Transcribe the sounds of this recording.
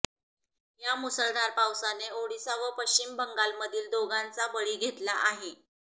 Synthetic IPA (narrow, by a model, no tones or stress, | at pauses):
jamusəɭd̪aɾpawsaneoɽisaʋəpəɕt͡ɕimbəŋɡalməd̪ʱiːld̪oɡãnt͡sabəɭiːɡʱet̪laʔaɦe